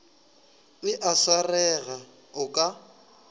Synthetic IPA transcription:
bɪʔasarɛɣa | ʊkʼa

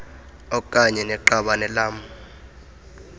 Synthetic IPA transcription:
ɔkʼaɲɛnɛǃaɓanɛlaːmu

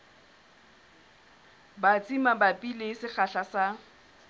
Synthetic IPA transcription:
bat͡sʼimabapʼilesɪχaɬasa

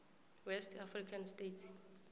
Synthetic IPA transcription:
wɛstʰafrikʰanstetʰ

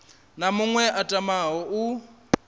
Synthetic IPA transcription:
namʊŋwɛʔatʼamaɦɔʔu

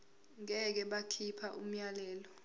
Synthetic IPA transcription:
ŋɛk̬ɛɓakʰipʰaʔum̩jalɛːlɔ

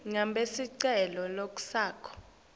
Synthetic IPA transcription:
ŋambʱesiǀɛlɔlok̬ʼu̥saːkʰɔ̥

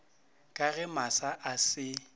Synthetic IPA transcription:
kʼaɣɛmasaʔasɪ

